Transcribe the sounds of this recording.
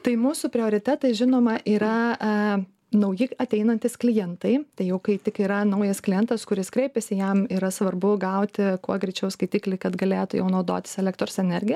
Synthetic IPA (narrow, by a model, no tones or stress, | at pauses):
t̪ɐɪmuːsʊpʲɾʲɪoːɾʲɪt̪ʲæt̪ɐɪʒʲɪnoːmɐʔiːɾɐ | nɐʊjɪɐt̪ʲɛɪnɐnʲt̪ʲɪsklʲɪjɛnt̪ɐɪt̪ɐɪjɛʊkɐɪt̪ʲɪkiːɾɐnɐʊjɐsklʲɪjɛnt̪ɐskʊɾʲɪskɾʲɛɪpʲɛsʲɪjɛmiːɾɐsʋɐrbʊɡɐʊt̪ʲɪkuɔɡɾʲɛɪt͡ʃʲɛʊskɐɪt̪ʲiːklʲɛɪkɐt̪ɡɐlʲeːt̪ʊjɛ̰ʊnɐʊd̪o̰ːt̪ʲɪ̥sɛlʲɛk̚t̪ɾoːsɛnʲɛɾʲɡʲɪjɛ